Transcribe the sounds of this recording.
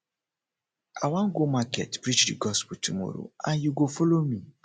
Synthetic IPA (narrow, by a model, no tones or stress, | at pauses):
a̰wãŋɡomaketpɾit͡ʃdiɡɔsputʰumɔ̰ɾo̰ãnjuɡofɔlomi